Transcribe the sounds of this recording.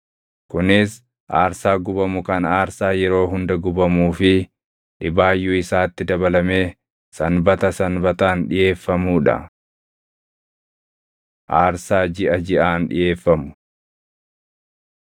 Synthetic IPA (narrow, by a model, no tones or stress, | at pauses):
kʊnɪs | ʔaːɾsaːɡʊbɐmʊkɐnaːɾsaːjɛɾo̞ːɦʊnd̪ɐɡʊbɐmuːfɪ | ᶑɪbaːjːuɪsaːt̪ːɪd̪ɐbɐlɐme̞ː | sɐnbɐt̪ɐsɐnbɐt̪aːnᶑɪʔe̞ːfːɐmuːᶑɐ̰ | ʔaːɾsaːd͡ʒɪʔɐd͡ʒɪʔaːnᶑɪ̰jʔe̞ːfːɐmʊ̥